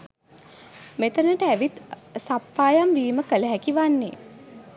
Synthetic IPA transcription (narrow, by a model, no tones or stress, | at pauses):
met̪ənəʈəæʋit̪sapːaːjamʋiːməkələɦækiʋanːḛː